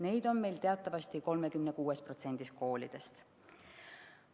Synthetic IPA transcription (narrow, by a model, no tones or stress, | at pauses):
ne̞jd̪̥o̞nme̞jlt̪e̞ɑt̪ːˑɑvɑst̪iko̞lme̞kymnekuːespro̞t̪se̞nʲd̪̥isko̞ːlid̪̥e̞st̪